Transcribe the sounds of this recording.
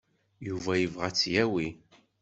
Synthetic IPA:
juvæjəvʁæt͡sːjæwi

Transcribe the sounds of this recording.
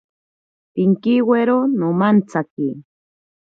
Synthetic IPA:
piŋkiweɾonomant͡saki

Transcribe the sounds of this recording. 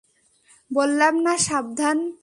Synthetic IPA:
bolːamnaʃab̚d̪ʱan

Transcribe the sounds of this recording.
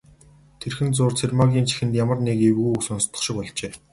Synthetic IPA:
t̪ʰerxɘ̆nt͡sʊːrt͡sʰermaɣʲiːnt͡ɕʰi̥xɘ̆nt̪jamə̆rnekewɣujuksɔnst̪ʰə̆χʃɪ̆kpɔɮt͡ɕeː

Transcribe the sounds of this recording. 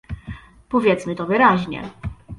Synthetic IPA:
pɔvʲjɛt̪smɘt̪ɔvɘɾaʑɲɛ̰

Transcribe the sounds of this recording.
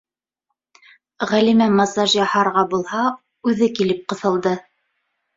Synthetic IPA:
ʁælimæmɑsɑʒjɑhɑɾʁɑbulˠhɑ | ʉðɘkilɘp̚qɤ̆θɤ̆lˠd̪ɤ

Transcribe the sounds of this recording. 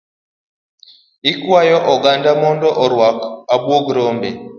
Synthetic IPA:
ikwajɔʔɔɡandamɔndɔʔɔɾwakabwoɡɾɔmbɛ

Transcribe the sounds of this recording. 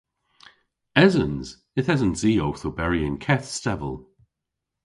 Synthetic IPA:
ɛzənz̥ | ɪθɛzənziːowθobɛɹiə̃nkʰɛθstɛvə̰lˠ

